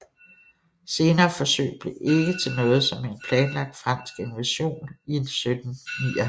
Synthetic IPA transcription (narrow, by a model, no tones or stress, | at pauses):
se̝ːnɐːfɒ̽sø̰ːɪb̥le̝ʔe̝ɡ̥ət͡sʰe̝lnɔ̽ːð̞̩ˠsɒ̽me̝npʰlɛːnlɑ̈ɡ̥̚d̥fʁɑ̈n̰sɡ̥e̝nʋæɕo̝̰ːnie̝nsød̥n̩niːɐh